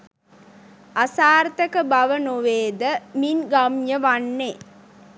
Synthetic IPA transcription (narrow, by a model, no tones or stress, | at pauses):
asaːɾt̪əkəbaʋənoʋeːd̪əminɡamjəʋanːe